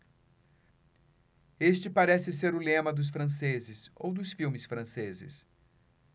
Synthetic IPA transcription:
est͡ʃɪpaɾɛsɪseɾʊlẽmɐd̪ʊs̬fɾɐ̃sezɪso̰wd̪ʊsfiwmɪsfɾɐ̃sezɪ̰s

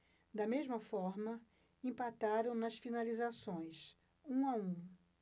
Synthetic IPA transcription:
d̪ɐmezmɐfɔɾmɐ | ẽpat̪aɾɐ̃w̃nɐsfinalizasõj̃s | ũaũ

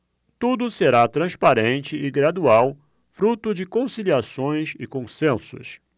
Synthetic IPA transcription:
t̪ud̪ʊseɾat̪ɾɐ̃spaɾẽnt͡ʃɪɪɡɾad̪uaw | fɾut̪ʊd͡ʒɪkõsiliasõj̃sɪkõsẽsʊ̰s

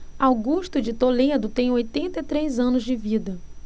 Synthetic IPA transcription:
awɡuʃt̪ʊd͡ʒɪt̪oled̪ʊt̪ẽj̃ojt̪ẽnt̪ɐit̪ɾejzɐ̃nʊzd͡ʒɪvid̪ɐ

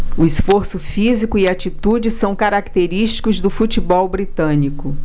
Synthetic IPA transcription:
ʊisfoɾsʊfizikʊiat͡ʃit̪ud͡ʒɪsɐ̃w̃kaɾakt̪eɾiʃt͡ʃi̥kʊzd̪ʊfut͡ʃibɔwbɾit̪ɐ̃nikʊ

